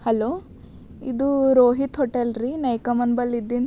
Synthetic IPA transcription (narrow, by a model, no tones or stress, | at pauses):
hɐloː | ḭd̪uɾoːɦit̪ɦɔʈelɾinɐjkɐmɐnbɐlid̪ːin